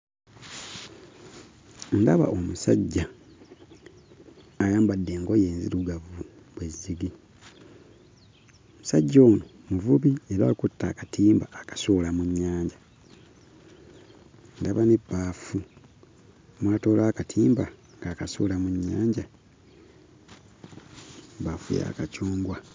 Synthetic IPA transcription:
ndaβa̰ʔomusaɟːa | jaːmbadːe̞ːŋɡo̞je̞ːnzḭɾuɡavu | βwezːiɡi | omusaɟːo̞ːno | muvuβie̞ɾaikutːakatʰiːmbaːkḁsolamuɲːaːɲɟa | ndaβanibaːfu | mwaːto̞ːlaːkatʰiːmba | ŋɡaːkaso̰ːlamuɲːaːɲɟa | bafṵja̰kacuːŋɡwa

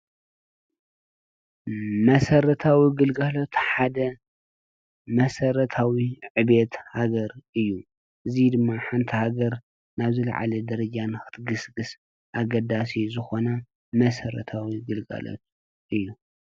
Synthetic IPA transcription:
mɐsɐɾɐt̪ʰawiɡɨlɡalo̞t̪ħad̪ɐ | mɐsɐɾɐt̪ʰawiʕɨbet̪haɡɐɾʔɨjːu | ʔɨzid̪ɨmːaħant̪ʰihaɡɐɾ | naβzɨla̰ʕa̰lɐd̪ɐɾɐd͡ʒanɨxɨ̥t̪ʰɡɨsɡɨs | ʔaɡɐd̪as̬izɨxo̞nɐ | mɐsɐɾɐ̰t̪ʰawiɡɨlɡa̰lo̰t̪̚ | ʔɨjːu

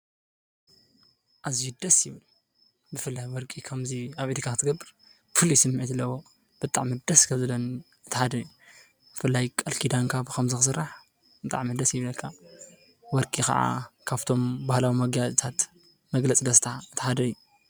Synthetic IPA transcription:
ʔaziud̪ɐsjɪβɨl | bɨfɨlːajwɔɾkʼikʰɐmziaβeɾikʰakɨt̪ʰɨɡɐbːɨɾ | fɨlisɨmːʕit̪ɨlːɐwo | b̥ɨt̪ʼaʕmid̪ɐskʰɐmzɨlɐn | ɨt̪ʰɨħad̪ɐju | b̥ɨfɨlːajkʼɐlkʰid̪aŋkʰabkʰɐmzɨxɨsɨɾaħ | bɨt̪ʼa̰ʕmid̪ɐsjɪβlɐlkʰa | wɔɾkʼikɐ̰ʕa̰kʰaβt̪ʰo̞mbahlawimɐɡjazt̪ʰat̪ | mɐɡlɐt͡sʼid̪ɐst̪ʰɐaɨt̪ʰɨ̥ħad̪ɐjːu

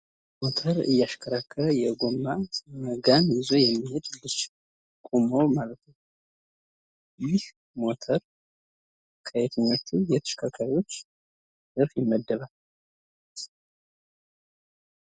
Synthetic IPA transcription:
mo̞t̪ʰəɾɨ̰jːaʃkʰəɾakʰːəljɛɡo̞mːaməɡanjɪzo̞jɛmːihe̞d̪lɨt͡ʃː | kʼumowmalət̪nə | jɪh | mo̞t̪ʰəɾ | kʰəjet̪ʰəɲːo̞t͡ʃːujɛt̪ʰəʃkʰakʰːajiwo̞t͡ʃː | d̪ɨɾfjɛmːəd̪ːəβal

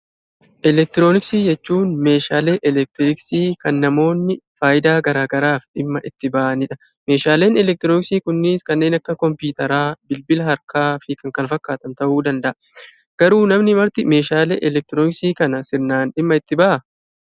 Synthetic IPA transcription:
ʔɛlɛk̚t̪ɪɾo̞ːnɪksiːd͡ʒɛt͡ʃːuːnme̞ːʃaːle̞ːʔɛlɛk̚t̪ɪɾɪksiːkɐnːɐmo̞ːnːɪfaːjɪd̪aːɡɐɾaːɡɐɾaːfᶑɪmːɐʔɪt̪ːɪbɐːʔɐnɪᶑɐ | me̞ːʃaːle̞ːnɛlɛk̚t̪ɪɾoːnɪksiːkʊnːɪskɐnːe̞ːnɐkːɐkɔmpuːt̪ɐɾaːbɪlbɪlɐɦɐɾkʰaːfɪkɐŋkɐnfɐkːaːt̪ɐnt̪ɐʔuːd̪ɐnd̪ɐʔɐ | ɡ̥ɐɾuːnɐmnɪmɐɾt̪ɪme̞ːʃaːlḛːʔɛlɛk̚t̪ɪɾoːnɪksiːkɐnɐsɪɾnaːnᶑɪmːɐɪt̪ːɪbɐʔɐ

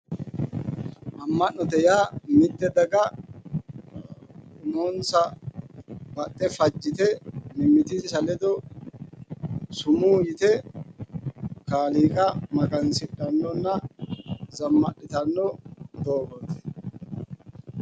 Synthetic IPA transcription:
ʔɐmːɐnːɔt̪ɛjaːmɪd̪ːɛd̪ɐɡɐ | nonsɐ | bɐt̪ʼːɛfɐd͡ʒːɪt̪ɛnɪmɪt̪ɪzsɐlɛd̪ɔ | sʊmuːjɪt̪ɛ | kaːliːkʼɐmɐɡɐnsɪᶑɐnːɔnːɐ | zɐmːɐɗːɪt̪ɐnːɔd̪oːbɔt̪ɛ̥

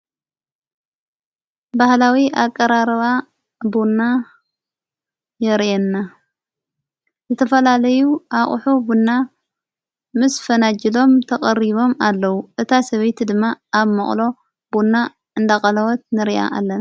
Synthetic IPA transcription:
bahlawiʔakʼːɐɾaɾɐβa | bunːa | jɐɾʔɛnːa | zɨt̪ʰɐfɐlalɐjuʔaχʼħubunːa | mɨsfɐnad͡ʒilo̞mt̪ʰɐkʼɐɾiβo̞malːɐwuʔɨt̪ʰasɐβɐjt̪ʰid̪ɨmːaaβmɐχʼlo̞ | bunːa | ʔɨnd̪akʼɐlɐwɐt̪̚nɨɾiʔa̰ʔa̰lːɐna

